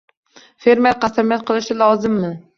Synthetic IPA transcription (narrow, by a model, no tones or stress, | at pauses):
fe̞ɾmeɾ̚qʰɑsamijat̪̚qʰɨlˠɪʃɪlˠɒzɪmːɪ